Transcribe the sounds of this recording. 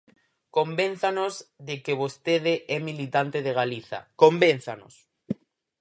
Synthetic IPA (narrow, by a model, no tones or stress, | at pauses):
kombẽn̟θanozðekeβ̞ost̪eðeʔɛmilit̪ant̪eðeɣ̞aliθa̰komben̟θano̰s